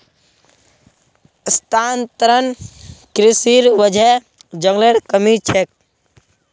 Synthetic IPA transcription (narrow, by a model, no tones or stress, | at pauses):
st̪ant̪ɾənkɾisiɾʋəd͡ʒʱe | d͡ʒəŋɡleɾkəmit͡ʃʰek̚